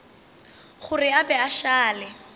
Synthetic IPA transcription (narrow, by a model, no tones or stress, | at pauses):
χʊrɪabɛaʃaːlɪ